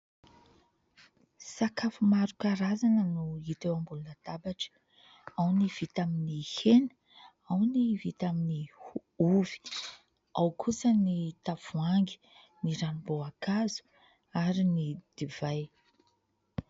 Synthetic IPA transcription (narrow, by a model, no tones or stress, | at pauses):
sakafumaɾukaɾazanənuit̪ewambulunəd̪̥abaʈ͡ʂə̥ | awniv̥it̪aminihenə̥ | awnivit̪amini | uvi̥ | awkʰusənit̪av̥uaŋɡi̥ | niɾanuboakazu̥ | aɾinid̪̥iv̥aj